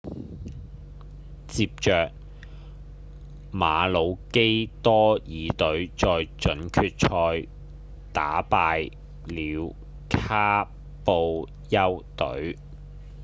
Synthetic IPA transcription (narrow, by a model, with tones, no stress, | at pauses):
t͡siː˧p̚t͡ʃœː˨k̚ | maː˨˧lo˨˧wke˥jt̪ɔː˥jiː˨˧t̪ɵ˨˥ɥt͡sɔː˧jt͡ʃɵ˨˥nkʰyː˧t̚t͡ʃʰɔː˧j | t̪a̰ː˨˥paː˧j | liː˨˧w | kʰaː˥ | po˧w | jɐ˥wt̪ɵ̰˨˥ɥ